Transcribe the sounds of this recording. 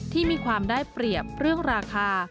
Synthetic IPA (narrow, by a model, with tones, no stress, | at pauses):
t̪ʰiː˥˩miː˧kʰwaː˧mdaː˥˩jpɾi˨˩əp̚ɾɯ˥˩əŋɾaː˧kʰaː˧